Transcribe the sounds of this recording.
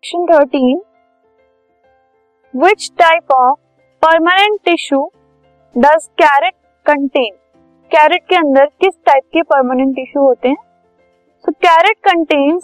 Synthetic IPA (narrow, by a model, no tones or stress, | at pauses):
ʃə̃nt̪ʰəɾʈĩːn | ʋɪt͡ʃʈaɪpɔːʋ | pəɾmənẽɳʈɪʃu | ɖɐzkæɾeʈ̚ | kə̃ɳʈẽːn | kæːɾeʈ̚keə̃nd̪əɾkɪsʈaɪp̚kepəɾmənẽɳʈɪʃuɦoːt̪ẽ | sokæɾeʈ̚kə̃ɳʈẽːnz